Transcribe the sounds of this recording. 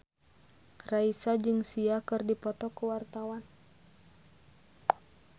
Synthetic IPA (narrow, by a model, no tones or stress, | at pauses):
raisad͡ʒɨŋsiakɨrdipɔt̪ɔkəwart̪awan